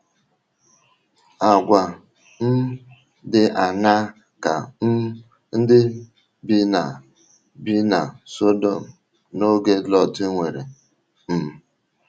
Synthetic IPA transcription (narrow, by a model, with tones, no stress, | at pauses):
a˨ɡʷa˨ | n̩˦ | dɪ˦ʔa˨na˦ | ka̰˨˦ | n̩˦dɪ˦ | bi˦na˨ | bi˦na˨so˦do˦˨m̩˨ | no˦ɡe˦lɔ˦ti˦ŋʷe˨ɾḛ˨ | m̩˨